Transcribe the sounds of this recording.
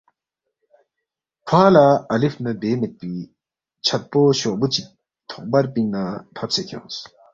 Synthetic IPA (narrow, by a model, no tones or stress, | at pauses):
kʰalaalifnad̪eːmeʔ̚piː | t͡ɕʰat̪̚poɕɔʔput͡ɕik̚ | t̪ʰɔʔ̚paɹpiŋnat̪ʰap̚set̪ʰɔ̰s